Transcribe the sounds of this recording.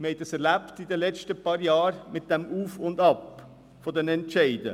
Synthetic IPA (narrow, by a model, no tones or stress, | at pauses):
hɛɪtd̥ɑsɛɾlæptidəlɛt͡ʃtəpɑːɾjɑːɾmɪt̚d̥ɛmuːfʊndɑp | fɔdɛnɛntʃɛɪdə